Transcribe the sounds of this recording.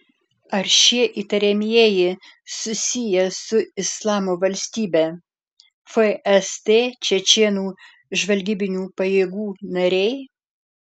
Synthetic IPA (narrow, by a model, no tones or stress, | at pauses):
ɐɾʃʲiɛʔiːt̪ɐɾʲɛmʲijɛjɪ | sʊsʲɪjɛsʊɪslˠɑːmoːʋɐlʲsʲt̪ʲiːbʲɛː | fɛɛst̪eːt͡ʃʲɛt͡ʃʲeːnuː | ʒʋɐlʲɡʲiːbʲɪnʲuːpɐjeːɡuːnɐɾʲɛɪ